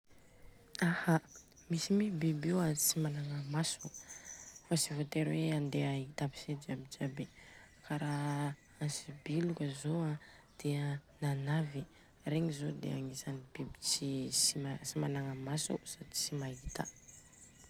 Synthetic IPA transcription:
aha | misimibibewant͡simanaŋəmasu | fasivot̪eɾweand̪eait̪api̥sed͡ʒabid͡ʒabe | kaɾa | ansibilukʲəzoa | d̪̥eənanavi | ɾeŋizod̪ḛaŋisanib̥ibit͡sisimasimanaŋamasṵsad̪it͡simaɦit̪ə̰

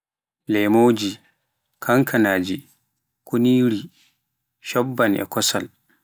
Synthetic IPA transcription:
lɛmoːd͡ʒi | kʰaŋkʰanaːd͡ʒi | kʰoniːɾi | ʃɔbːanʔɛ̰kɔsal

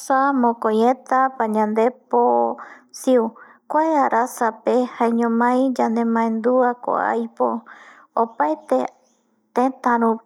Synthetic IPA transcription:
samõkojet̪apaɲãnd̪eposiu | kʷaeaɾʔasapehaeɲõmãjd͡ʒand̪ẽmãẽnd̪uako̰a̰jpo | opaet̪e | t̪ẽt̪ãɾũ

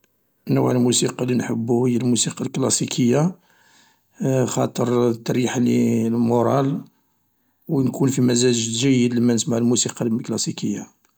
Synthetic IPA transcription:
nəwʕəlmusiqɑlinħə̰bːuhəjːælmusiqɑlklɑsikʰəjːa | xɑt̪ˤəɾˤt̪ːɑɾiħalilmoɾˤɑl | wnkʰunfimæzæʒʒæjːəd̪limænəsmaʕlmusiqɑlklɑsikəjːa

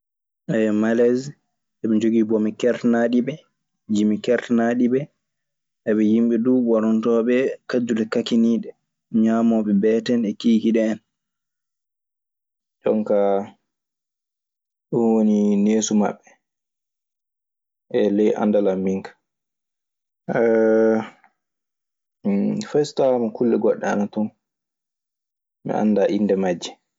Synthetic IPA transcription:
ʔɛɛmalɛz | ɛɓɛd͡ʒoɡibɔmikɛɾtnaɗiɓɛ | d͡ʒimikɛɾtnaɗibɛ | ʔɛɓɛjimɓɛduɓaɾɔntɔːɓɛkad͡ʒulɛkakiniːɗɛ | ɲamɔɓɛbɛːtɛnɛkiːkiɗɛːn | ɗɔ̰ŋka | ɗunwonineːsuma̰ɓːɛ | ʔɛlɛjʔa̰ndalambiŋkḁ | ɛ | fɛstawamakulːɛɡɔɗːɛa̰natun | mɛ̰ʔa̰nːdaːʔindɛmad͡ʒːɛ

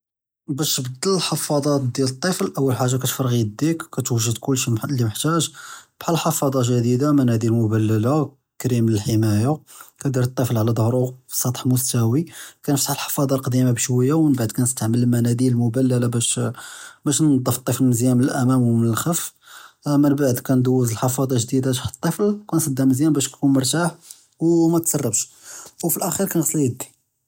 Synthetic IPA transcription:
bæʃbd̪əllħɑfɑd̪ˤɑt̪d̪jilət̪ˤːiflʔəwːəlħaʒːakæt̪fɑɾˤɣid̪ikkæt̪wəʒːəd̪kʊlːʃmlːiməħt̪æʒb̥ħalħɑfɑd̪ˤɑʒæd̪id̪amænæd̪ilmʊbælːəla | kɾimləlħəmæjakæd̪iɾət̪ˤːiflʕlæd̪ˤəhɾˤusˤɑt̪ˤħmʊst̪æwikænəft̪ə̥ħəlħɑ̥fɑd̪ˤɑlqd̪imabʃwəjːawmənbaʕd̪kænəst̪aʕməlmænæd̪ilmʊbælːælabæʃ | bæʃnɑd̪ˤːəft̪ˤːəflzjæmnəlʔæmæmwmənəlxæf | mənbaʕd̪kænd̪æwːəzəlħɑfɑd̪ˤɑʒd̪id̪aʒħt̪ˤːəflkænsˤɑd̪ːæməzjæmbæʃk̪kunməɾˤt̪aħ | wmæt̪sɑrˤːɑbʃ | wfilʔæxiɾkænɣɑsˤljəd̪ːi̥

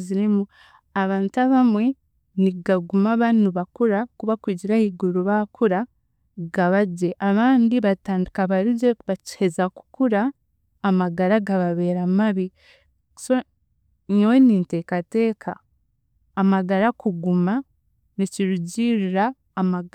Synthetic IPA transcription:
ziɾimu | aβaːntaβamwe̞ | niɡaɡumaβanuβakuɾakuβakwiːɟiɾahiːɡuɾuβakʰuɾa | ɡaβaɟeʔaβaːndiβataːndikaβaɾiɟeβaci̥hezaku̥kuɾaː | maɡaɾaɡaβaβe̞ːɾamaβi | so | ɲoweninte̞kate̞ːkʰaː | maɡaɾakuɡuma | niciɾuɟiɾiɾaː | maɡ

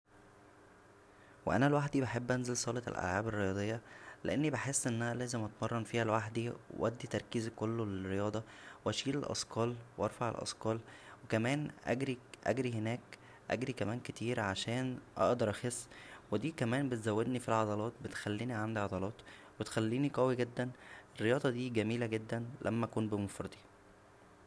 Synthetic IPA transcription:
wḛʔæ̰nælwaħd̪ibeħebːʔænzelsˤɑːlet̪lʔæ̰lʕaːberːejɑːd̪ˤejːɑlḛʔenːibeħesːʔenːʔænælæːzemʔɑt̪mɑrˤːɑnfiːhælwaħd̪iw̰wʔæ̰d̪ːit̪ɑɾˤkiːzkolːolerːejɑːd̪ˤɑ | wʔæʃiːlelʔɑ̰skɑːlwʔɑɾˤfɑʕḛlʔɑ̰skɑːlwekæmæːnʔæ̰ɡɾiʔæ̰ɡɾihenæːk | ʔæ̰ɡɾikæmæːnket̪iːɾʕaʃæːnʔɑ̰ʔd̪ɑɾˤʔæxesːwed̪iːkæmæːnmbet̪zæwːed̪nifilʕɑd̪ˤɑlɑːt̪̚bet̪xælːiːniʕand̪iʕɑd̪ˤɑlɑːt̪ | bet̪xælːiːniqæwiɡed̪ːænerːejɑːd̪ˤɑd̪iːɡæmiːlæɡed̪ːænlʔæ̰mːæʔkuːnbemofɾɑd̪ˤi

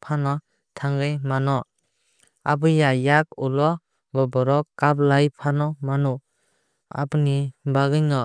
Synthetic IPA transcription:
pʰanɔ | tʰaŋɡɯjmanɔ | abɯjajak̚ulɔ | bɔbɔɾɔkːap̚lajpʰanɔmanu | a̰bɯnibaɡɯjŋɔ

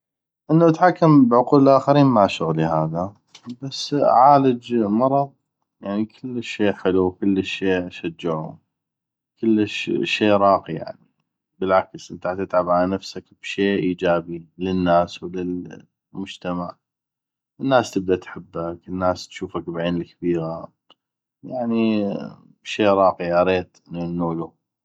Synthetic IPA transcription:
ʔənːaʔat̪ħakːambʕʊquːləlʔaːxaɾiːnmaʕʃʊɣlihaːða | basːʕaːləd͡ʒmɑɾˤɑðˤ | jaʕnikʰɪlːʃːeːħɪlukʊlːʃːeːʔaʃad͡ʒːɪʕṵ | kɪlːəʃʃːeːɾˤɑːqija̰ʕni | bɪlʕaksʔɪnt̪at̪ɪt̪ʕabʕalanafsakb̥ʃeːʔiːd͡ʒaːbilɪnːaːswlɪl | mʊd͡ʒt̪amaʕ | ʔɪnːaːst̪ɪb̚d̪aʔt̪ħɪbːakɪnːaːst̪ʃuːfakbʕeːnɪlkabiːɣa | jaʕni | bʃeːʔɾˤɑːqiʔɑɾˤeːt̪ʔɪninnuːlu

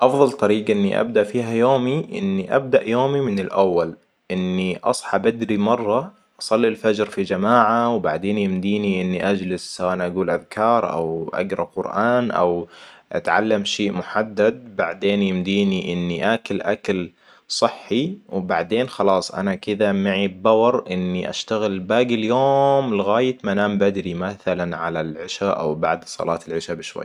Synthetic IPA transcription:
ʔɑfðˤɑlt̪ˤɑɾiːɡaʔɪnːḭʔa̰bd̪aʔfiːɦajoːmiʔɪ̰nːiʔa̰b̚d̪aʔjoːmimɪnɪlʔawːal | ʔɪnːiʔɑ̰sˤħɑbʔɪd̪ɾimɑrˤːɑ | ʔɑsˤɑlːilfad͡ʒɾfid͡ʒamaːʕawba̰ʕd̪eːnjɪmd̪iːniʔɪnːiʔad͡ʒlɪssawaːʔanʔaɡuːlʔaðkʰɑːɾˤʔa̰wʔa̰ɡɾˤɑb̚qʊɾʔaːnʔa̰wʔa̰t̪ʕa̰lːamʃeːʔmʊħad̪ːad̪̚baʕd̪eːnjɪmd̪iːniʔɪnːiʔaklʔakl | sˤɨħːiwbaʕd̪eːnxɑlɑːsˤʔa̰nakɪd̪amaʕibbɑwɑɾˤʔɪnːiʔa̰ʃt̪aɣɪlbaːɡɪljoːmlɪɣaːjɪt̪manaːmbad̪ɾimaθalanʕalalʕɪʃaʔa̰wbaʕd̪sˤɑ̰lʔɑːt̪ɪlʕɪʃabɪʃwa̰jː

